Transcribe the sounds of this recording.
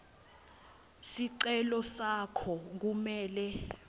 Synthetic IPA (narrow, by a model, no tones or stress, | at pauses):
siǀɛlɔsakʰɔk̬umɛːlɛ